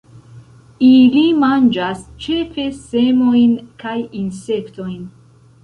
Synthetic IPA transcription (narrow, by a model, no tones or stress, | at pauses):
ilimand͡ʒast͡ʃefesemojnkʰajinsekt̪ʰojn